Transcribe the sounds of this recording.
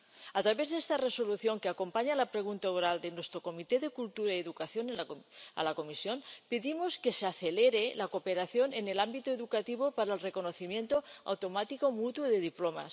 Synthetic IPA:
at̪ɾaβezðest̪areso̞luθjo̞ŋkeakompaɲalapɾeɣ̞unt̪aoɾald̪enwest̪ɾokomit̪eðekult̪uɾaieðukaθjonelaa̰lakomisjo̞npeðimoskeseaθeleɾelakopeɾaθjonenelambit̪oeðukat̪iβ̞opaɾaelrekonoθimje̞nt̪oa̰wt̪omat̪ikomut̪woðeðiploma̰s

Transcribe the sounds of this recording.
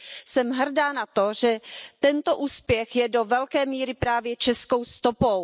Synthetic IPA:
sɛmɦr̩daːnat̪o̞ʒɛt̪ɛnt̪o̞ʔuːspjɛxjɛdo̞vɛlkɛːmiːɾɪpɾaːvjɛt͡ʃɛsko̞wst̪opow

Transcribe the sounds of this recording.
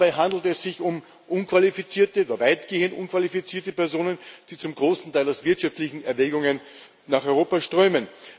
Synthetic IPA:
b̥aɪɦandl̩tɛsz̥ɪçʊm | ʔʊnkv̥alifit͡siːɐtəoːdɐvaɪtɡ̥eːəntʔʊnkv̥alifit͡siːɐtəpɛɐzoːnənd̥iːt͡sʊmɡʁoːsn̩taɪlaʊsv̥ɪɐtʃaftlɪçn̩ɛɐvɛːɡʊŋən | naːχɔʏʁoːpaʃtʁ̥øʏmən

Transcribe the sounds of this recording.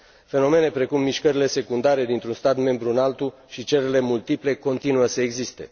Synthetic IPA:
fe̞no̞me̞ne̞pɾe̞kumːiʃkəɾile̞se̞kund̪aɾe̞d̪int̪ɾunst̪at̪me̞mbɾuɨnalt̪uʃit͡ʃeɾele̞mult̪iple̞ko̞nt̪inuəsəeɡzist̪e̞̰

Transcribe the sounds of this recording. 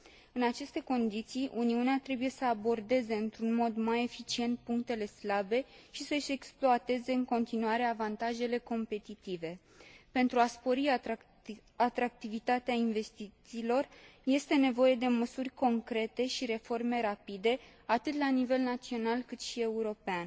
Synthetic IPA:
ɨnat͡ʃe̞st̪e̞ko̞nd̪it̪sijʔuniuneat̪ɾe̞buje̞səabo̞rd̪e̞ze̞ɨnt̪ɾunmo̞d̪maje̞fit͡ʃie̞nt̪̚puŋkt̪e̞le̞slabe̞ʃisəʃeksploat̪e̞ze̞ɨŋko̞nt̪inuaɾe̞avant̪aʒe̞le̞ko̞mpe̞t̪it̪ive̞ | pe̞nt̪ɾuaspo̞ɾi | at̪ɾak̚t̪ivit̪at̪eainve̞st̪it̪siːlo̞rje̞st̪e̞ne̞vo̞je̞d̪e̞məsurʲko̞ŋkɾe̞t̪e̞ʃiɾe̞fo̞rme̞ɾapid̪e̞ | at̪ɨt̪lanive̞lnat̪sio̞nalkɨt̪ʃie̞uɾo̞pean

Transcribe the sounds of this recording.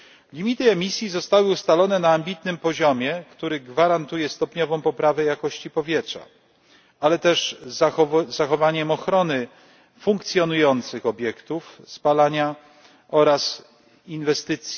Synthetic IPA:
lʲimʲit̪ɘɛmʲisʲjizɔst̪awɘust̪alɔnɛnaːmbʲit̪nɘmpɔʑɔmʲjɛkt̪uɾɘɡvaɾant̪ujɛst̪ɔpɲɔvɔ̃w̃pɔpɾavɛjakɔɕt͡ɕipɔvʲjɛtʂa̰ | alɛt̪ɛʐ | zaxɔvaɲɛmɔxɾɔnɘ | fuŋk̚t̪sʲjɔnujɔnt̪sɘxɔbʲjɛkt̪ufspalaɲa | ɔɾas | invɛst̪ɘt̪sʲji

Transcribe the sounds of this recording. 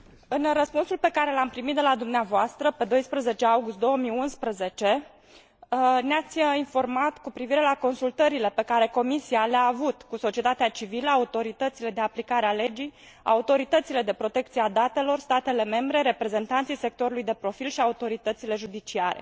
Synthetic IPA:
ɨnrəspunsulpe̞kaɾe̞lampɾimit̪̚d̪elad̪umneavoast̪ɾəpe̞d̪o̞jspɾəze̞t͡ʃe̞awɡust̪̚d̪o̞wəmiunspɾəze̞t͡ʃe̞ | neat̪sʲinfo̞rmat̪kupɾiviɾe̞lako̞nsult̪əɾile̞pe̞kaɾe̞ko̞misialeaːvut̪kuso̞t͡ʃie̞t̪at̪eat͡ʃiviləaut̪o̞ɾit̪ət̪sile̞d̪e̞aplikaɾeale̞d͡ʒij | a̰ut̪o̞ɾit̪ət̪sile̞d̪e̞pɾo̞t̪e̞kt̪siead̪at̪e̞lo̞rst̪at̪e̞le̞me̞mbɾe̞ɾe̞pɾe̞ze̞nt̪ant̪sijse̞k̚t̪o̞ɾulujd̪e̞pɾo̞filʃiaut̪o̞ɾit̪ət̪sile̞ʒud̪it͡ʃiaɾḛ

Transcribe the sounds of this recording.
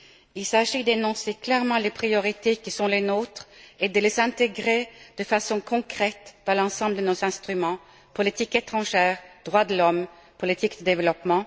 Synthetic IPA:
ilsaʒid̪enɔ̃seklɛʁmɑ̃ːlepχijɔʁit̪ekisɔ̃lenoːt̪ʁed̪əlezɛ̃t̪eɡʁed̪̥əfasɔ̃kʰɔ̃kʁɛt̪d̪̥ɑ̃lɑ̃ːsɑ̃ːbld̪ənoɛ̃st̪ʁymɑ̃ | pɔlit̪iket̪χɑ̃ʒɛːʁd̪̥ʁwad̪əlɔm | pɔlit̪ʰikd̪̥əd̪ɛvəlɔpmɑ̃

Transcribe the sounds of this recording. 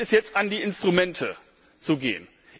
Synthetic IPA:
ɛsjɛt͡stʔandiːɪnstʁ̥umɛntʰə | t͡suɡḛːən

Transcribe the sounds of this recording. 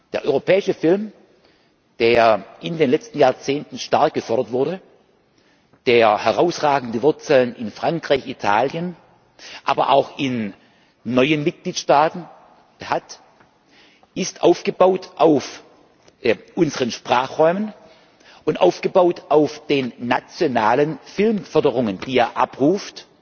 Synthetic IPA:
d̥eːɐʔɔʏʁopʰɛːɪʃəfɪlm | d̥eːɐʔɪndeːnlɛt͡stn̩jaːɐt͡seːntn̩ʃtaɐk̚ɡ̥əfœɐdɐtv̥ʊɐdə | d̥eːɐhɛʁaʊsʁaːɡn̩dəvʊɐt͡sl̩ənɪnfʁ̥aŋkʁ̥aɪçitʰaːljən | ʔaːbɐʔa̰ʊxɪnː | ɔʏənmɪt̚ɡ̥liːtʃtaːtn̩ | hat | ʔɪstʔaʊfɡ̥əbaʊtʰʔaʊf | ʔʊnzəʁənʃpʁ̥aːχʁɔʏmən | ʔʊntʔa̰ʊfɡ̥əbaʊtʔaʊfd̥eːnːat͡sjonaːlənfɪlmfœɐdəʁʊŋənd̥iːeːɐʔa̰pʁuːft

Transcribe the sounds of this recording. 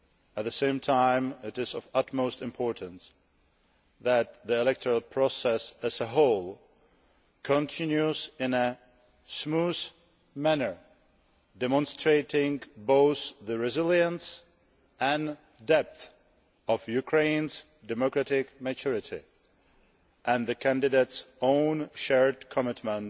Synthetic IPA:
æt̪̚ðəsẽɪ̃mtʰãɪ̃mɪtɪzɔvʌtmoʊstɪ̃mpʰɔɹtə̃ns | ðæt̪̚ðiɛlɛk̚tʰɔɹəlˠpʰɹɔsɛsæzəɦoʊlˠ | kʰɔ̃ntʰɪ̃njuzɪ̃nə | smuz | mænə˞ | dɛmɔ̃nstɹeɪtɪ̃ŋboʊθðəɹɛzɪljə̃ns | ʔɛ̃n | dɛp̚θ | ɔfjukʰɹẽɪ̃ns | dɛmokɹatɪkmɨt͡ʃʊɹɪtʰɪ̰ | ʔɛ̃nðəkʰæ̃ndɪdeɪtsõʊ̃nʃɛɹdkʰɔmɪtmə̃nt

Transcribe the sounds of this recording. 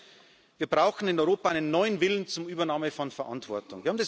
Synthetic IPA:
v̥iːɐbʁaʊxn̩ɪnɔʏʁoːpaʔaɪnənːɔʏənvɪlənt͡sʊmʔyːbɐnaːməfɔnfɛɐʔa̰ntv̥ɔɐtʊŋvɪːɐhaːm̩ndɛs

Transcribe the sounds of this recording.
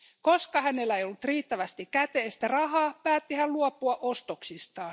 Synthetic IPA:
koskɑhæne̞lːæejolːut̪riːt̪ːæʋæst̪ikkæt̪eːst̪ærɑɦɑːpæːt̪ːihælluopːˑuɑʔost̪oksist̪ɑː

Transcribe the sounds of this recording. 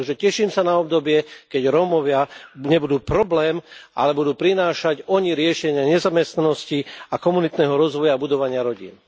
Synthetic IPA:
ʒɛcɛʃiːmsanaɔb̚d̪ɔbɪɛkɛɟɾɔmɔʋɪaɲɛbud̪uːpɾɔblɛːma̰lɛbud̪uːpɾinaːʃaɟɔɲiɾɪɛʃɛɲɪaɲɛzamɛst̪nanɔsciakɔmunit̪nɛɦɔɾɔzʋɔjabud̪ɔʋaɲɪaɾɔɟḭːn

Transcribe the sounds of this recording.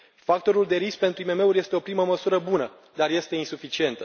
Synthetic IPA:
fak̚t̪o̞ɾuld̪e̞ɾisk̚pe̞nt̪ɾuimeme̞uɾʲje̞st̪e̞opɾiməməsuɾəbunə | d̪arje̞st̪e̞insufit͡ʃie̞nt̪ə

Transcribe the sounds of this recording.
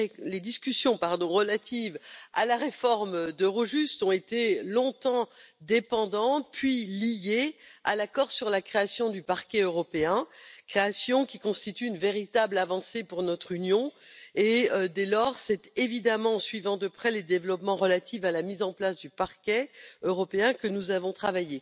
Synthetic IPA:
led̪iskʲysjɔ̃paʁd̪ɔ̃ʁəlat̪iva̰laʁefɔʁmd̪əʁoʒyst̪ɔ̃et̪elɔ̃t̪ɑ̃d̪epɑ̃d̪ɑ̃t̪̚pɥilijealakɔʁsyʁlakχeasjɔ̃d̪ypaʁkʲɛøʁɔpeɛ̃kχeasjɔ̃kʲikɔ̃st̪it̪yːnveʁit̪ablavɑ̃sepuʁnɔt̪χynjɔ̃ed̪ɛlɔʁsɛt̪evid̪amɑ̃sɥivɑ̃d̪əpχɛləd̪evlɔpmɑ̃ʁəlat̪ʰivalamizɑ̃plasd̪ypaʁkʲɛøʁɔpeɛ̃kənuzavɔ̃t̪χavaje

